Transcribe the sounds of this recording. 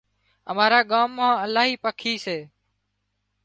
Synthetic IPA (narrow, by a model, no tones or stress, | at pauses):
ə̰maːɾaːɠaːmːãːəlaːɦiːpəkʰiːseː